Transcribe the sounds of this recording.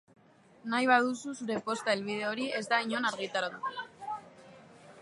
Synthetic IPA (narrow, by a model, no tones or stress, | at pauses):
najβað̞ususuɾe̞po̞st̪aelβ̞ið̞e̞o̞ɾie̞zd̪aiɲo̞naɾɣit̪aɾaðut̪e